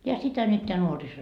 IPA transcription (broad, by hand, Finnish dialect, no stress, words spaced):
jɑ sitæ nyt teæ nuoriso